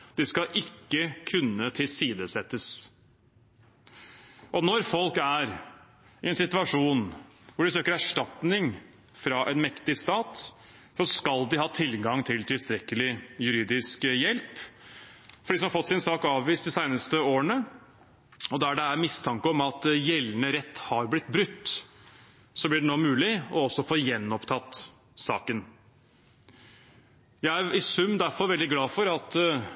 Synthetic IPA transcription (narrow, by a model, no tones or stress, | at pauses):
d̪̥ɪskɑʔɪkːəkʰʉnːət̪ʰɪlsiːd̪əsɛt̪ːəs | ʔɔnɔɾfɔlkæɾ | ɪɛnsɪt̪ʉɑʂuːn | ʋʊɖɪsøːkəɾæʂʈɑt̪nɪŋ | fɾɑʔɛnmɛkt̪ɪst̪ɑːt̪ | sɔskɑld̪ɪhɑːt̪ʰɪlɡɑŋt̪ʰɪlt̪ʰɪlst̪ɾɛkəlɪjʉɾiːd̪ɪskjɛlp | fɔɖiːs̬ɔmhɑɾfɔt̪ːsɪnsɑːkɑːʋʋiːst̪̚d̪ɪsæɪnəst̪əoːəɳə | ɔd̪ɛæɖɛæɾmɪst̪ʰɑŋkəɔmɑt̪jɛlːnəɾɛt̪ːhɑɾblɪt̪ːbɾʉt̪ː | sɔblɪɖɛnoːmʉːlɪɔɔsːɔfoːjɛnːɔpt̪ʰɑt̪ː | sɑ̰ːkən | jæɪæɾɪsʉmd̪æɾfɔɾʋɛld̪ɪɡlɑːfɔɾɑt̪